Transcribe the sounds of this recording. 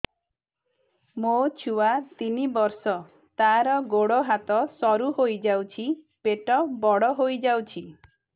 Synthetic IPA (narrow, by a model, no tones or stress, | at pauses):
mot͡ʃʰuwat̪inibɔɾsɔ | t̪aɾɔɡoɽɔɦat̪ɔsɔɾuɦojd͡ʒawt͡ʃʰi | peʈɔbɔɽɔɦojd͡ʒawt͡ʃʰi